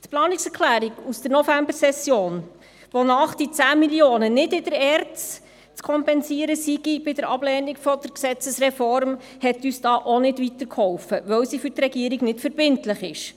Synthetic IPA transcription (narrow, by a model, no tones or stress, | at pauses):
t̪plɑːnɪksɛɾkʰlæːɾiɡusd̥əɾnɔfæmbəsɛsjoːn | ʋonɑχd̥it͡sæːmiljoːnənɪdɪd̥əɾɛːɾtt͡s | t͡skʰɔmpɛnsiəɾəsiɡib̥ɪd̥əɾɑb̥lɛːnikfɔd̥̪əɾksɛt͡səsɾɛfɔɾm | hɛt̪yːsd̥ɑːʔonɪdʋitəɾkʰhɔwfəʋœwsifʏrtrɛɡiəɾiɡnɪtfəɾbɪntlɪχɪʃ